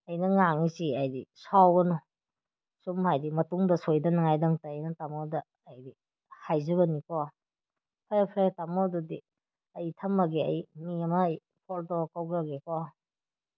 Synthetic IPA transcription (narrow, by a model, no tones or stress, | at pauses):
ɐjnɐŋaŋisiajdḭsawɡɐnɔ | sumhajdimɐtuŋdɐsojdɐnɐŋajdaŋtɐːjnɐtamɔdɐː | jdi | hajzɐbɐnikɔ | pʰajpʰɾetamɔdudi | ɐjtʰɐmːɐɡeɐ̰jmiɐmɐj | pʰɔltɔkawɡaɡekɔ